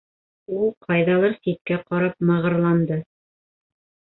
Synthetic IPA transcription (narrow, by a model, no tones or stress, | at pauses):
ulˠqʰɑjðɑlˠɑɾsit̪̚kæqɑɾɑp̚mɤ̆ʁɤ̆ɾlˠɑnd̪ɤ